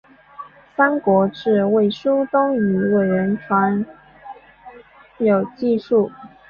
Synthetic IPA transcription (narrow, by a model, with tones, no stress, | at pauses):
sa˥nkwɔ˧˥ʈ͡ʂɻ̩˥˧we˥˩ɪʂu˥t̪ʊ˥ŋy˧˥we˥˩ɪɥə˧˥nʈ͡ʂʰwa˧˥n | jo˨˩ʊt͡ɕi˥˧ʂu˥˩